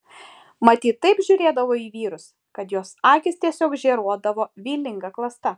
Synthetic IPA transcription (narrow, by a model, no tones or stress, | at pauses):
mɐt̪ʲiːt̪ːɐɪpʒʲʊɾʲeːd̪ɐʋoːiːʋʲiːɾʊs | kɐt̪joːsɑːkʲɪst̪ʲiɛsʲoːkʒʲɛːɾuɔd̪ɐʋoːʋʲiːlʲɪŋɡɐklˠɐst̪ɐ